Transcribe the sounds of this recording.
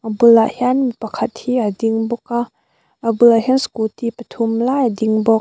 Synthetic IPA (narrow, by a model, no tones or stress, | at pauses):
ʔabulaʔhianmipɐkʰɐt̪̚hiad̪iŋbɔka | ʔabulaɦɛnskult̪ipɐt̪ʰumlajad̪iŋbɔ